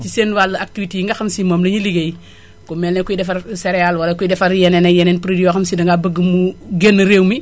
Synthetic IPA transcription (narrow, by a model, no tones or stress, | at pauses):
sisenwalːɐak̚tifitiiŋɡɐxɐmsimomlɐɲiliɡej | komeːlnekuidɛfaɾseɾealwɐlɐkuidɛfaɾjɛnenejeneːnpɾidijoxɐmsidɐŋɡabəɡːəmuɡenːəɾeːwmi